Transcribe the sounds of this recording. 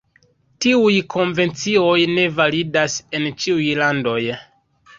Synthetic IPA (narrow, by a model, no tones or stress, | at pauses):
tiujkʰo̞nve̞nt͡sio̞jne̞validase̞nt͡ʃiujlando̞j